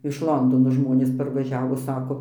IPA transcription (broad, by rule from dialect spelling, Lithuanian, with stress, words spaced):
ɪʃ ˈlˠoːndoːnoː ˈʒmoːnʲeːs pɐrʋɐˈʒʲæːʋoː ˈsɑːkoː